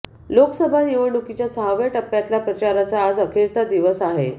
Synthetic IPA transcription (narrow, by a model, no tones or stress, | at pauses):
lokəsəbʱaniʋəɖukit͡ɕjasəɦaʋəʈəpːjat̪lapɾət͡ɕaɾat͡saːd͡zəkʰeɾt͡sad̪iʋəsaɦe